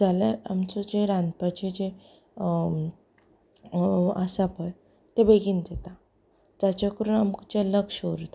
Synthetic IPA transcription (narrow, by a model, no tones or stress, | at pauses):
d͡zaljaɾa̰mt͡sɔd͡ʑeɾãnd̪̚pat͡ɕed͡ʑe | asapəj | t̪ebeɡind͡zet̪a | d͡zat͡ɕakəɾuːnamkt͡ɕeləkɕoɾt̪a